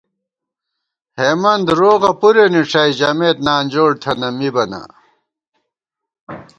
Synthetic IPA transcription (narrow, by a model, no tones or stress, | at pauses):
heːmɐnd̪ɾoːɣɐpuɾeniʂɐid͡ʑɐmeːt̪naːnd͡ʑoːɽt̪ʰɐnɐmibɐnɐ̰